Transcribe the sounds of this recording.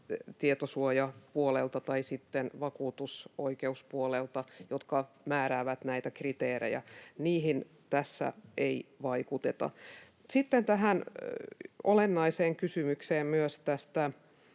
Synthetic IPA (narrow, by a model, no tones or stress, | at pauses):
t̪iet̪osuojɑpuolelt̪ɑt̪ɑisit̪ːenʋɑkuːt̪usoikeuspuolelt̪ɑjot̪kɑ | mæːɾæːʋæt̪næit̪ækrit̪eːrḛjæ̰niːɦin | t̪æsːæ̰eiʋɑikut̪et̪ɑ̰ | sit̪ːent̪æɦæn | olenːɑiseːŋkysymykseːmmyøst̪æst̪æ